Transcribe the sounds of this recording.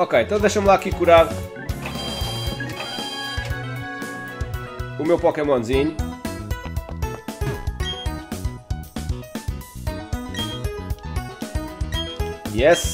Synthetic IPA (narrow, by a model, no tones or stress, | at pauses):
okejẽnt̪ɐ̃w̃d̪ejʃɐmlˠaakikuɾaðu | umewpɔkemõnziɲu | jɛs